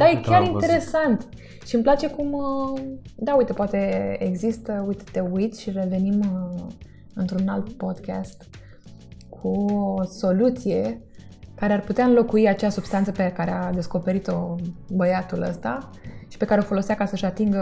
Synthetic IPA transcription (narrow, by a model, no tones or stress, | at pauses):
d̪̥ajekʲjaɾint̪eɾe̞sant̪ | ʃimplat͡ʃe̞kum | d̪aujt̪epoat̪e̞eɡzist̪əujt̪et̪e̞ujt̪ʃire̞ve̞nim | ɨnt̪ɾunalt̪po̞d̪ka̰st̪ | kʰuoso̞lut̪sije̞ | kaɾearput̪eaɨnlo̞kuiat͡ʃeasubst̪ant̪səpekaɾead̪e̞sko̞pe̞ɾit̪o̞bəjat̪ulə̰st̪a | ʃi̥pe̞kaɾeo̞fo̞lo̞seakasəɨʃat̪iŋɡə